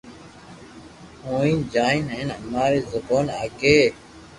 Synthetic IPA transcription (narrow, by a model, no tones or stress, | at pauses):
õːĩːd͡ʒaːinɦenəmaːɾeːzəboːnaːkeː